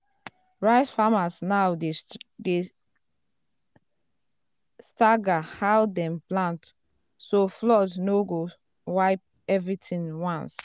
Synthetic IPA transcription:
ɹaɪsfamasnaʊde | staɡahawdɛ̃mplãnt | soflɔdnoɡo | waɪp̚ | ɛvɹitʰĩŋwãns

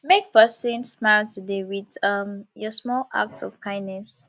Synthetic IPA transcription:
mek̚pɛsə̃nsmaɪltʰudewiðʌmjɔsmɔla̰k̚tɔ̰fkʰãɪ̃nːɛs

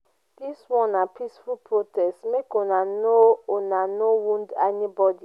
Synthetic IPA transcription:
d̥iswɔ̃napʰisfulpʰɹotɛstmekonãnoonanowũndɛnibɔdi

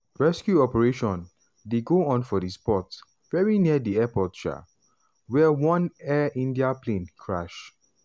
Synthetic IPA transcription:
ɹɛskjuɔpɛɹeʃɔ̃n | deɡoɔ̃nfɔdispɔt | vɛɹiniədiɛpɔtʃa̰ | wɛwɔ̃nɛʔĩndiaplẽnkʰɹa̰ʃ

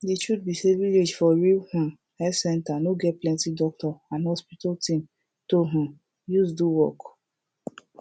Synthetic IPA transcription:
det͡ʃud̚biseviled͡ʒfɔɹilhũ | ɛsɛ̃ntanoɡɛt̚plɛ̃ntidɔk̚tɔãnhɔspitaltĩm | toɦũ | juzduwɔk

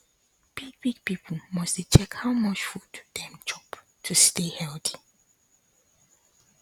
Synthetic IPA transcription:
b̥iɡ̚biɡ̚pip̩ʰmʌsit͡ʃʰɛkhaʊmʌt͡ʃfuddɛ̃md͡ʒɔp | tʰustehɛltʰi̥

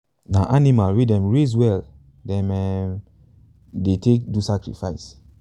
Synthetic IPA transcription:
naʔanimalwidɛ̃mɹezwɛl | dɛ̃mɛm | detek̚dusakɹḭfaɪs

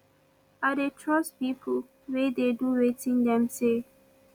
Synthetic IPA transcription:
adetʰɹɔspipʰo | wededuɹetĩndɛ̃mse

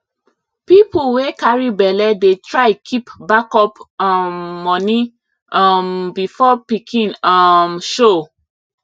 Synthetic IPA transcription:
pipuwekaɹibɛlɛdetɹaɪkʰipbakɔpamːɔ̃ni | ambifɔpikʰĩnamʃo

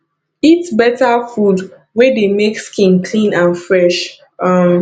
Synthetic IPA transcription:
itbɛtafud | wɛdemekskĩnkʰlĩnãnfɹɛʃ | ʌm

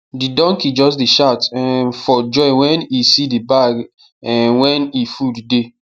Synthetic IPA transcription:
didɔ̃ŋkid͡ʒɔsdiʃaʊtnfɔd͡ʒɔɪwɛ̃nisidibaɡ | ɛnwɛ̃nifudide

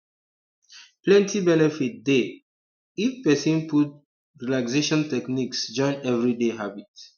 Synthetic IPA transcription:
plɛ̃ntʰibɛnɛfit̚de | ifpɛsĩnput̚ | ɹilakseʃɔ̃ntɛkniksd͡ʒɔ̃ɪ̃nɛvɹideɦabit̚

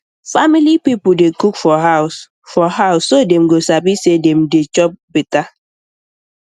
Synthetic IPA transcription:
familipipʊdekukfɔɦaʊs | fɔɦaʊsodem̩ɡosapisedem̩det͡ʃɔp̚bita

